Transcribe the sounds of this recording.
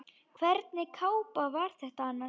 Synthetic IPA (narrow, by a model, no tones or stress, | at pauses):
kʰvɛɾt̪nɪkʰaːwpavaɾ̥θɛht̪aanːa